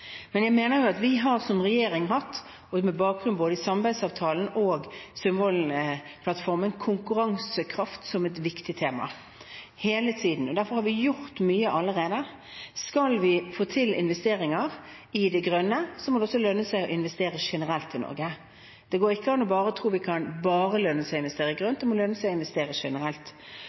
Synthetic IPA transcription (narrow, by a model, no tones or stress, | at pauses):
mɛnjæɪmeːnəɾjʊɑt̪ʋɪɦɑɾsɔmɾɛjeːɾɪŋhɑt̪ː | ɔmɛbɑːk̚ɡɾʉnboːd̪əɪsɑmbæɪd̪sɑːʋt̪ʰɑːln̩oːɡsʏmhɔlnpʰlɑt̪fɔɾmənkʰʊŋkʉɾɑŋsəkʰɾɑft̪sɔmɛt̪ʋɪkt̪ɪt̪ʰeːmɑ̰ | heːlət̪ʰiːd̪n̩ɔd̪æɾfɔɾhɑɾʋɪjʊɾt̪myːəʔɑlːəɾeːd̪ə | skɑlʋɪfoːt̪ʰɪlɪ̰nʋɛst̪eːɾɪŋəɾ | ɪd̪ɛɡɾœnːəsɔmɔd̪ɛɔsːɔlœnːəsæɪɔɪnʋɛst̪eːɾəʂɛnəɾɛlt̪ɪnɔ̰ɾɡə | d̪̥ɛɡoːɾɪkːəɑnːɔbɑːɾəɔt̪ʰɾuːʋɪkʰɑnbɑːɾəlœnːəsæɪɪnʋɛst̪eːɾəɪɡʁœnt̪d̪ɛmɔlœnːəsæɪɔɪnʋɛst̪eːɾəʂɛnəɾɛlt̪